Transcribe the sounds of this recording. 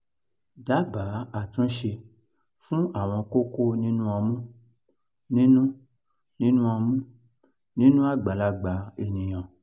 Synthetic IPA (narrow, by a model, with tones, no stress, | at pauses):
da˨˦ba˨˦a˦˨tũ˨˦ʃe˧ | fũ˦a˦˨w̃ɔ̃˧ko˦ko˦nĩ˦nũ˦ɔ˧mũ˦ | nĩ˦nũ˦ | nĩ˦nũ˦ɔ˧mũ˦ | nĩ˦nũ˦a˦˨ɡ͡ba˨˦la˧ɡ͡ba˨˦e˨nĩ˨j̃ɔ̃˨